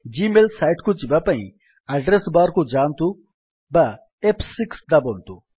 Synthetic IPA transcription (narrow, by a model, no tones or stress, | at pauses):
d͡ʒiːmelsajʈkud͡ʒiʋapɐni | ɐɖɾesbaːɾkud͡ʒaːnt̪u | ba | epʰsiksd̪ɐbont̪u